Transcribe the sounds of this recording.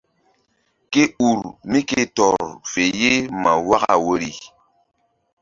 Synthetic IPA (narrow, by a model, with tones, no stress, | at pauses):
ke˦u˨ɾmi˦ke˦tɔ˨ɾfe˨je˦ma˨wa˦ɣa̰˦˨wo˦ɾi˨